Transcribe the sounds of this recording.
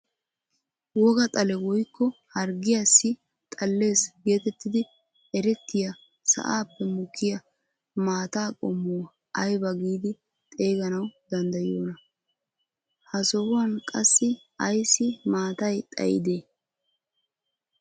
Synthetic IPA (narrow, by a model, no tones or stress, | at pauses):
wɔɡɐt̪ʼɐlɛwɔjkːɔhɐɾɡɪjasːɪ | t̪ʼɐlːe̞ːsɡe̞ːt̪ɛt̪ːɪd̪ɪ | ɛɾɛt̪ːɪjɐ | sɐ̰ʔaːpːɛmʊkʰːɪjɐ | maːt̪aːkʼɔmːʊw | ɐjbɐɡiːd̪ɪ | t̪ʼe̞ːɡɐnɐwd̪ɐnd̪ɐjoːnɐ | hɐsɔwʊwɐnkʼɐsːɪ | ɐjsːɪmaːt̪ɐjt̪ʼɐ̰jɪ̰d̪eː